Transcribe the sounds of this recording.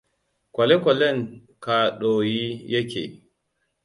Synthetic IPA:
kʷɐ˨le˦kʷɔ˨lɛ˦˨ŋ | ka˨ɗoː˨jiː˦jɐ˦kʲḛː˨

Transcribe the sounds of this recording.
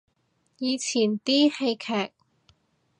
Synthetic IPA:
jiː˨˧t͡sʰiː˨˩nt̪iː˥he˧jkʰɛː˨˩k̚

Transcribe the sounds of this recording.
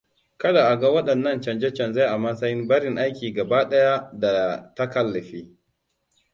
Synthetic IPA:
kɐ˦da˨ʔa˨ɡa˦wɐ˦ɗɐ˨nːɐ˦nt͡ʃɐ˨nd͡ʒɛ˦t͡ʃɐ˨nza˦ʔa˨mɐ˦sɐ˦jɪ˦mbɐ˦ɽɪ˨ŋʔa˦jkʲiː˨ɡɐ˨baː˦ɗɐ˦ja˦da˨ta˦kɐ˦lːɐ˨ɸiː˦

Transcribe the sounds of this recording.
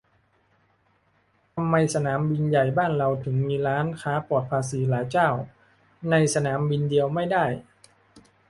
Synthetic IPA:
t̪ʰa˧mːa˧jsa˧naː˩˦mbi˧nja˨˩jbaː˥˩nɾa˧wt̪ʰɯ˩˦ŋmiː˧ɾaː˦˥nkʰaː˦˥pu˨˩ət̪̚pʰaː˧siː˩˦laː˩˦jt͡ɕaː˥˩w | na˧jsa˧naː˩˦mbi˧ndi˧əwma˥˩jdaː˥˩j

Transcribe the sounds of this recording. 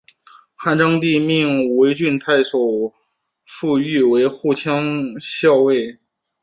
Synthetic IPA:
xa˥˩nʈ͡ʂɑ˥ŋt̪̬i˥˧mi˥˩ŋwe˧˥ɪt͡ɕy˥˧nt̪ʰa˥˩ɪʂo˨˩ʊ | fu˥˧y˥˩we˧˥ɪxu˥˩t͡ɕʰjɑ˥ŋɕjɑ˥˧ʊwe˥˩ɪ

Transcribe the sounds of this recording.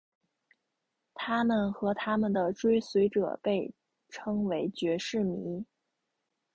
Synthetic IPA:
t̪ʰa˥mə˨nxɤ˧˥t̪ʰa˥mə˨nd̪ə˩ʈ͡ʂwe˥ɪswe˧˥ɪʈ͡ʂɤ̰˨˩pe˥˩ɪ | ʈ͡ʂʰɤ˥ŋwe˧˥ɪt͡ɕɥɛ˧˥ʂɻ̩˥˩mḭ˧˥

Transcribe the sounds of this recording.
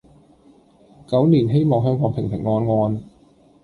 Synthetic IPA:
kɐ˨˥wniː˨˩nɦe˥jmɔː˨˩ŋɦœː˥ŋkɔː˨˥ŋpʰɪ˨˩ŋpʰɪ˨˩ŋːɔː˧nŋɔː˧n

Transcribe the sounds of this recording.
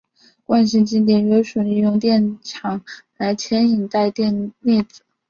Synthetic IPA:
kwa˥˧nɕ̬i˥˧ŋt͡ɕi˥ŋt̪̬jɛ˨˩njo˧˥ʊʂu˨˩li˥˧jʊ˥˧ŋt̪jɛ˥˩nʈ͡ʂʰɑ˨˧˥ŋla˧˥ɪt͡ɕʰjɛ˧˥ni˨˩ŋt̪a˥˧ɪt̪jɛ˥˧nne˥˩t͡sɹ̩˨˩˦

